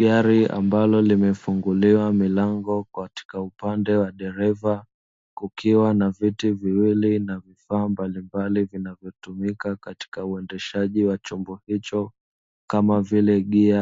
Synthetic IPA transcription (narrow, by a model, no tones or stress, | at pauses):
ɡaɾia̰mbalɔlimɛfuŋɡuliwamilaŋɡɔkati̥kaupandɛwaɗɛɾɛva | kukiwanavitiviwilinavifaːmbalimbalivinavjɔtumikakati̥kauɛndɛʃaʄiwat͡ʃɔmbɔhit͡ʃɔ | kamavilɛɠia